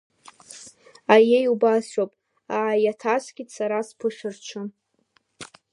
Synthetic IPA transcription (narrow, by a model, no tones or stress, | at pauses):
ajejubasopʼ | aʕajatʰasɡʲisaɾaspʰɨʂʷᶣɨrt͡ʃʰɨm